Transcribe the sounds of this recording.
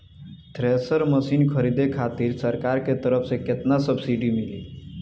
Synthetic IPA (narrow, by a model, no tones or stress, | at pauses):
t̪ɾesəɾməsiːnkʰəɾid̪ekʰat̪iːɾsəɾkaɾket̪əɾəfseket̪nasəbsiɖimilḭː